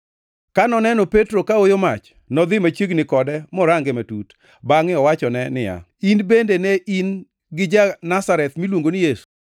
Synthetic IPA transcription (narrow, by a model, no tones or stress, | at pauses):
kanɔnɛnɔpetɾokaojomat͡ʃ | nɔd̪ɪmat͡ʃjeɡnɪkɔdɛmɔɾaŋɡematut | baŋɪɔwat͡ʃɔnɛnɪja̰ | inbendenɛʔin | ɡɪd͡ʒanasaɾɛt̪milwoŋɡonɪjesu̥